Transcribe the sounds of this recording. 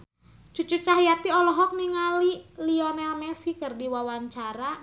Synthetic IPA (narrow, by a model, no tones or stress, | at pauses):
t͡ʃut͡ʃut͡ʃaɦjat̪iɔlɔɦɔk̚niŋaliliɔnɛlmɛsikərdiwawaɲt͡ʃaɾa